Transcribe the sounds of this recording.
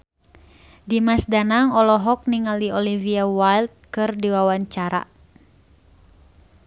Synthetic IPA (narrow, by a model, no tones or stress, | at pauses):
dimasdanaŋɔlɔɦɔk̚niŋaldiɔliviawalt̪̚kɨrdiwawaɲt͡ʃaɾa̰